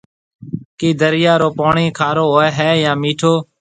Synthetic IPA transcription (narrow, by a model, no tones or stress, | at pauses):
kiːd̪əɾɪjaːɾoːpoːɳiːkʰaːɾoːɦoːɛːɦɛːjãːmiːʈʰoː